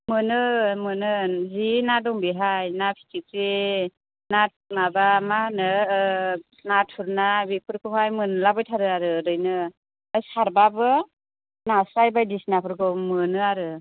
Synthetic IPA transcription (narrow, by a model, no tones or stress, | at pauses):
mɯnɯmɯnɯzinadɔŋbiɦajnapʰi̥tʰikɾi | nat̚mabamanɯ | natʰuɾnabikʰɯɾkʰɯhajmɯnlabɯjtʰaɾɯaɾɯdɯjnɯː | jsaɾbabɯ | nasɾajbajdisnapʰɯɾɡɯmɯnɯaɾɯ